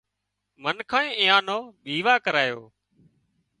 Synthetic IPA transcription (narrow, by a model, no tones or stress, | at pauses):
mənkʰãːĩːʔiːãːnoːɓiːʋaːkəɾaːjo̰ː